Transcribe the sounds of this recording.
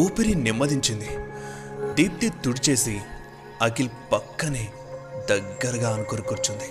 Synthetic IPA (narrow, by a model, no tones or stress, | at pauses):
uːpiɾinimːɐd̪iɲt͡ʃind̪i | ɖ̪iːp̚t̪it̪uɽit͡ʃe̞ːsi | ɐkilpɐkːɐni | d̪ɐɡːɐɾɐɡaːɐnukoɾukuɾt͡ʃund̪i